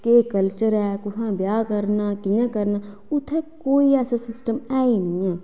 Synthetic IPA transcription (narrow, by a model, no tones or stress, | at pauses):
keːkəlt͡ʃəɾɛːkʊɦãbjaːkəɾnakijãkəɾna | ʊt̪ʰekoːiɛːsãsɪsʈəmɛːinijɛ̃